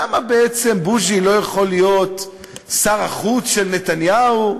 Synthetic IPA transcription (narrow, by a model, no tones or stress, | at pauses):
amabeet͡se̞mbuʒilo̞jaχo̞lijo̞t̪ | saʁaχut͡sʃe̞lnet̪anjau